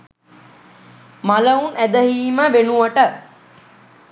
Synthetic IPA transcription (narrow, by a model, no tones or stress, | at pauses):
maləunæd̪əɦiːməʋenuʋəʈə